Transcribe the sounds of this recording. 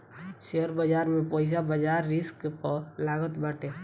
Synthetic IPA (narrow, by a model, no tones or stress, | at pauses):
ʃeəɾbəd͡ʒaːɾmẽpɔːɪs̬abəd͡ʒaːɾːɪskpəlaːɡət̪baːʈeː